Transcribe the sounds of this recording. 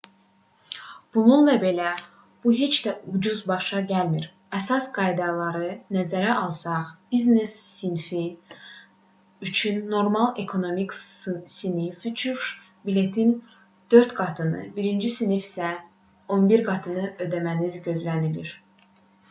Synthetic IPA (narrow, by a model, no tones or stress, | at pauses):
b̥ununlɑbe̞læ | b̥uɦe̞t͡ʃd̪æud͡ʒuzbɑʃɑɟælmiɾ | æsɑsɡɑjd̪ɑlˠɑɾɯnæzæɾæʔɑlˠsɑχb̥iznesːinfi | yt͡ʃʰynːo̞ɾmɑlˠe̞kʰo̞no̞miksinifyt͡ʃʰuʃ | bile̞t̪ʰin | d̪̥ø̞ɾt̪ɡ̥ɑt̪ʰɯnɯ̰biɾind͡ʒisinifsæ | o̞nbiɾɡɑt̪ʰɯnɯø̞d̪æmænizɟø̞zlæniliɾ